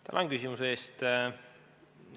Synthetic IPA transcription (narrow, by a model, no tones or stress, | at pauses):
t̪ɑ̰lonkysʲimuseːst̪